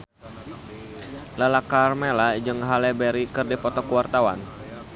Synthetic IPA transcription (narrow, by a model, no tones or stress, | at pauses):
lalakarmelad͡ʒɨŋɦalɛbɛɾikɨrdɛpɔt̪ɔkuwart̪awa̰n